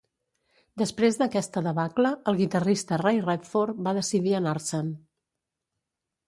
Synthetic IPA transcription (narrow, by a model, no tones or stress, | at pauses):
d̪əspɾezðəkɛst̪əðəβakləəlˠɣit̪ərist̪ərejrɛpfoɾbaðəsiðiənaɾsən